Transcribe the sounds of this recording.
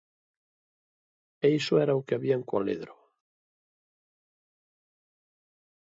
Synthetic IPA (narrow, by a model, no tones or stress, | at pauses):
ejsoɛɾaukeaβiaŋkwa̰lḛðɾo